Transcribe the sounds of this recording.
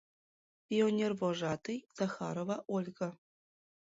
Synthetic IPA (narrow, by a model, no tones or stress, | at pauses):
pʲionʲervoʐɑt̪ɯjz̥ɑxɑ̰ɾovɑʔolʲɣɤ̆